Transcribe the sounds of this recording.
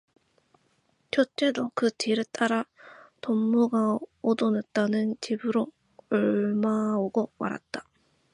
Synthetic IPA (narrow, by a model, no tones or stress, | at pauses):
t͡ɕʰot͡ɕ͈e̞dokɯtiɾet͈aɾatomːuɡaod̪onɯt̚t͈anɯnt͡ɕibɯɾo | ɯɭmaoɡoma̰ɾa̰t̚t͈ḁ